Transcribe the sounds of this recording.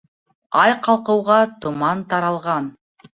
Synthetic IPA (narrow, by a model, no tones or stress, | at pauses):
ɑjqɑlˠqɤwʁɑt̪umɑnt̪ɑɾɑlˠʁɑn